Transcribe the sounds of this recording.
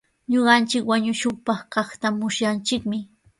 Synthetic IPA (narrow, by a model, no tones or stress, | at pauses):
ɲoɢɑnt͡ʃɪkwaɲʊʃoχpɑχkɑχt̪amʊsjant͡ʃɪkmɪ